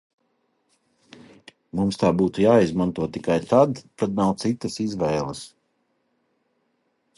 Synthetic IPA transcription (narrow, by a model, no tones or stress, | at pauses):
mumst̪aːbuːt̪ujaːizmant̪uɔt̪ikajt̪ad̪t̪ad̪̚nawt̪sit̪ɐsizʋɛːlˠəs